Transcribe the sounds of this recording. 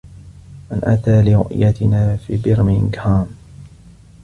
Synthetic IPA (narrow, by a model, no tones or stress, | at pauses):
ʔanʔa̰t̪aːlɪɾʊ̰ʔjat̪ɪnaːfiːbɪɾmɪnɡhaːm